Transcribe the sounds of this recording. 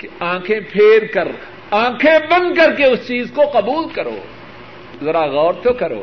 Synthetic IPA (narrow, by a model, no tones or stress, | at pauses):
kãːkʰẽpʰeːɾkɐɾ | ãːkʰẽbɐ̃nd̪kɐɾkeʊst͡ʃiːzkoqɐbuːlkɐɾo̰ː | zɐɾaɣɔːɾt̪okɐɾo̰ː